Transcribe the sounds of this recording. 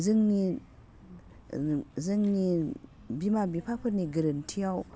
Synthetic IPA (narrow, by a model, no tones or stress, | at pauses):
zəŋni | zəŋni | bimabipʰak̚pʰəɾniɡəɾəntʰiaw